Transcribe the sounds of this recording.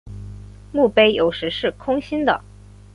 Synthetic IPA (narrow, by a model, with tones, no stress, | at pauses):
mu˥˩pe˥ɪjo˨˩ʊʂɻ̩˧˥ʂɻ̩˥˩kʰʊ˥ŋɕi˥nd̪ə̰˨